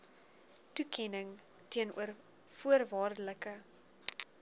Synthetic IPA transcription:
tukʰɛnəŋtiənṵər | fuərvɑːrdələkə

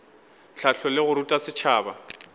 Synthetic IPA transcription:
ɬaɬʰɔlɪɣʊɾutʼasɪt͡ʃʰaːba

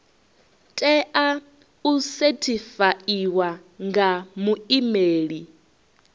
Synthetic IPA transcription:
tʼɛʔa | usetʰifaiwa | ŋɡamuimeːɺi

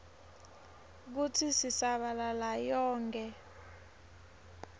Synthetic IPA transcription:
k̬utʰisisaɓalalajɔːŋkʼɛ

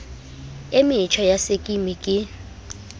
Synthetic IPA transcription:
emɪt͡ʃʰɔjasekʼimikʼɪ

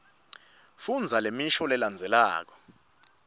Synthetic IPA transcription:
fund͡zʱalemiʃɔlɛland͡zʱɛla̰ːk̬ɔ̥

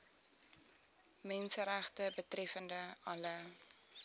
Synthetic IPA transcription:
mɛnsəɾæχtəbətrɛfəndəɐlə

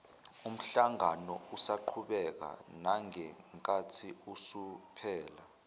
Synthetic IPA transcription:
um̩ɬaŋanɔusaǃʰuɓɛk̬a̰naŋɛŋkʼatʰiusupʰɛːla

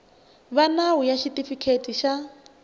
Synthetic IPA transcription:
βanawujaʃitʼifikʰetʼiʃa

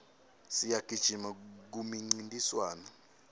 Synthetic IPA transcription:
sijaɡ̥ʱid̥ʒ̥ʱimak̬umiŋ͡ǀintʼiswaːnɔ

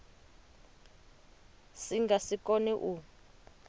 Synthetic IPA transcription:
siŋɡasikɔniʔu

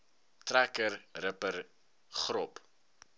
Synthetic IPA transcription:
trækərrəpər | χɾɔp

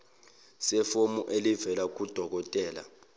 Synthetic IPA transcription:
sɛfomuʔelivɛlak̬ud̥ʱɔk̬ɔtʼɛːla̰

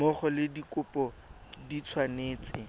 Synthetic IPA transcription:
mɔχɔlɪdikʊpʼɔ | dit͡sʰwaneːt͡sɪ

